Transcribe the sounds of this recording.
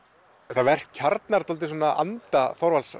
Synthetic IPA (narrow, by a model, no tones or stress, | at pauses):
θavɛr̥̚cʰaɾt̪naɾt̪ʰɔlt̪ɪsɔːnaʔa̰nt̪afɔɾvals